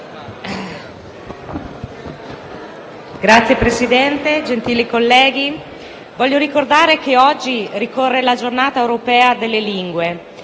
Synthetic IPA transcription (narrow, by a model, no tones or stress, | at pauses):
ɡɾat̪sːjepɾesid̪ɛnt̪ed͡ʒent̪iːlikolːɛːɡi | vɔʎːjoɾikord̪aːɾekeɔd͡ʒːirikorːelad͡ʒornaːt̪aewɾopɛːad̪elːeliŋɡwe